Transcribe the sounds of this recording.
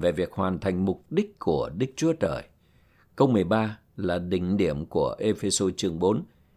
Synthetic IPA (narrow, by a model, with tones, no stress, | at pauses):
ve˨˩vi˨˩ək̚hwaː˨˩nt̪ʰa˨˩jŋ̟mʊ˨˩k͡p̚ɗï˦˥k̟̚ku˧˩əɗɨ˦˥k̚t͡ɕu˨˦ət͡ɕəː˧˩j | kə˧wmɨ˨˩əjɓaː˧ | laː˨˩ɗï˨˩ŋ̟ɗi˧˩əmku˧˩əʔe˧fe˧so˧t͡ɕɨ˨˩əŋɓo˨˦n